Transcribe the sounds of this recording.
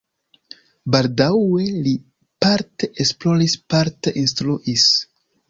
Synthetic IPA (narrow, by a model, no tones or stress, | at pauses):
baldawe̞li | paɾteʔesplo̞ɾispaɾteʔinstɾuʔis